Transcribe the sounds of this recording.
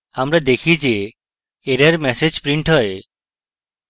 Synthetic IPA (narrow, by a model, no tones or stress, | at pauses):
amɾad̪ekʰid͡ʒeː | ɾaɾmɛsed͡ʒpɾiɳʈɦɔe